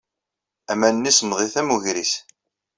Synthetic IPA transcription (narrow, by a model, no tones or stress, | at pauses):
æmænnːismðˤiθæmuʝɾis